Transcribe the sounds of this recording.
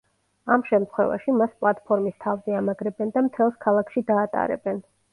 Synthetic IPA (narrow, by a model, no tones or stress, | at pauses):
amʃɛmt̪ʰχwɛ̰va̰ʃimaspʼlˠat̪ʼpʰɔɾmist̪ʰavzɛamaɡɾɛbɛnd̪amt̪ʰɛlˠskʰalˠakʰʃid̪aːt̪ʼa̰ɾɛ̰bɛn